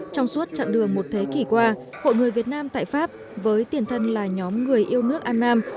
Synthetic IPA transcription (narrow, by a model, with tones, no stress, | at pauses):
t͡ɕɔ˧wŋ͡msu˦˥t̚t͡ɕa̰˧˨nɗɨ˨˩əŋmo˨˩t̚t̪ʰe˨˦ki˧˩kwaː˧ho̰˧˨jŋɨ˨˩əjvi˨˩ət̚naː˧mt̪a̰ː˧˨jfaː˦˥p̚ | vəː˨˦jt̪i˨˩ənt̪ʰə˧nlaː˨˩ɲɔ˨˦mŋɨ˨˩əjʔi˧əwnɨ˦˥ək̚ʔaː˧nːaː˧m